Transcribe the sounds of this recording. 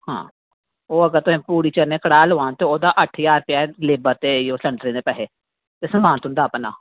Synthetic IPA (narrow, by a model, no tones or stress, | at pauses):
hã̰ː | oːəɡəɾt̪ʊẽːpuːɽiːt͡ʃəɾneːkəɽaːloːãːnt̪eːoːd̪aːʔəʈʰjaːɾpjaːleːbəɾt̪eːjoːsəɳɖɾĩːd̪eːpɛɦeː | t̪eːsəmaːnt̪ɦʊ̃nd̪aːpna̰ː